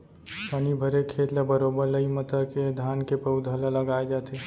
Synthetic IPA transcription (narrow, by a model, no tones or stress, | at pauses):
panibʱəɾekʰeːt̪lebəɾoːbəɾləimət̪əked̪ʱaːnkepəʊd̪ʱəlaləɡaːed͡ʒaːt̪ʰe